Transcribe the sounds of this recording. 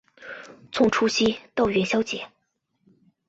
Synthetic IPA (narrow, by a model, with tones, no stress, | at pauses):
t͡sʰʊ˥˩ŋʈ͡ʂʰu˥ɕi˥t̪ɑ˥˩ʊɥɛ˧˥nɕjɑ˥ʊt͡ɕjɛ˧˦